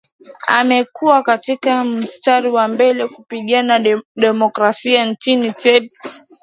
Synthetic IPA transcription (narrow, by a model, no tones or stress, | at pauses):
a̰mɛkuwakatikam̩staɾiwambɛlɛkupiɠanaɗɛmɔkɾasiant͡ʃinitɛb